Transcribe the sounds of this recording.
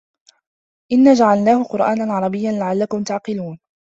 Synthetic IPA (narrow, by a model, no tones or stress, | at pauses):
ʔɪnːaːd͡ʒaʕalnaːhʊqʊɾʔaːnanʕɑɾˤɑbɪjːanlaʕalːakʊmt̪aʕqɪluːn